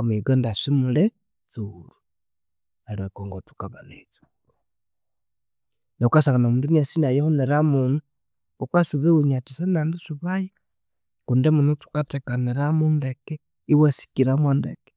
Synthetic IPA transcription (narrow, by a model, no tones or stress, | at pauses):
miɡondasimule | t͡suɾu̥ | aliwekoŋɡotu̥kaβanet͡su̥ | neukasaŋanamuːnduniasinajehuneɾamunu | ukasuβeɣuɲatisanandusuβaji | kundemunotu̥katekaneɾamundeke | iwesi̥kiɾamwandḛke̥